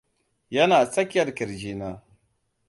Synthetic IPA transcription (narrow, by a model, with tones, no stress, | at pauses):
jɐ˦naː˨sʼɐ˦kʲːɐ˨ɾkɪ˨ɾd͡ʒiː˦naː˦